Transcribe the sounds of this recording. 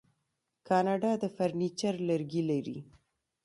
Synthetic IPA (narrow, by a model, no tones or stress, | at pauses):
kɑnɑɖɑd̪əfaɾnit͡ʃaɾləɾɡilaɾḭ